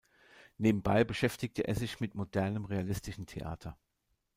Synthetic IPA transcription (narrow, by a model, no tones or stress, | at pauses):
neːbm̩baɪbəʃɛftɪk̚tʰəʔḛːɐzɪçmɪtmodɛɐnəmʁealɪstɪʃn̩tʰḛʔa̰ːtʰɐ